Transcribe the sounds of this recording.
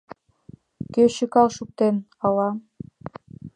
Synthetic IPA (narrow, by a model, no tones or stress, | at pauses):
køɕykɑlˠʃuk̚t̪en | ɑlˠɑ